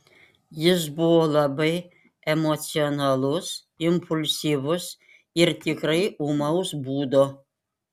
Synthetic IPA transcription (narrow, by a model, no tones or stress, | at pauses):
jɪs̬buolˠabɐj | emot̪t͡sʲionalˠus | impʰulʲsʲivʊs | irt̪ʲikrɐjumɑwsbud̪o